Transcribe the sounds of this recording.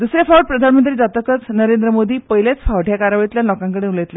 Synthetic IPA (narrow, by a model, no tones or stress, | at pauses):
d̪usɾjafawəʈ̚pɾəd̪ʱanmə̃nt̪ɾiːd͡zat̪əkət͡snəɾend̪ɾəmod̪iːpəɦiljat͡sfʰaʋʈʰjakaɾaʋɭit̪ljalɔkãŋkəɽeuləjt̪la